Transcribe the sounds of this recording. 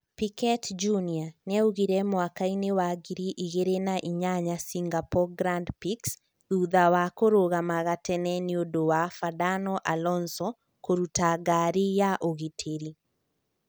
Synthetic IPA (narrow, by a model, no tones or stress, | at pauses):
pikɛtd͡ʒunianɛuɣiɾɛmwakainewaɡiɾiʔiɣeɾenaʔiɲaɲasiŋɡapɔɡɾandpiks | ðuðawakoɾoɣamaɣatɛnɛniodowafadanɔʔalɔnsɔ | koɾutaɡaɾijaʔoɣitʰeɾi